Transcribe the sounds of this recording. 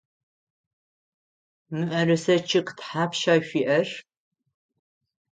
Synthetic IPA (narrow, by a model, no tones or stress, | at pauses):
mɨʔɐrɨsɐt͡ʃʰɪqtħaːpʃaːɕʷiːʔɐr